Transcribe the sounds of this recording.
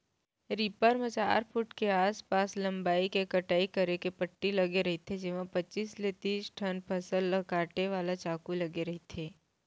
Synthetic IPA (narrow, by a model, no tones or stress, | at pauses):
ɾipəɾmẽt͡ʃaːɾpʰʊʈkeaːspaːslɐ̃mbaːikekɐʈaːikɐɾekepɐʈːilɐɡeɾɐɦit̪ʰed͡ʒɪʋãpɐtːt͡ʃiːslet̪iːsʈʰənpʰɐsəlːɐɡaːʈeʋaːlat͡ʃaːkulɐɡeɾɐɦit̪ʰeː